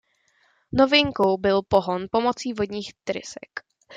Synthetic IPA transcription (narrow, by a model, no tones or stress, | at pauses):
novɪŋkowbɪlpo̞ɦonpo̞mo̞t͡siːvo̞dɲiːxt̪ɾɪ̰sɛ̰k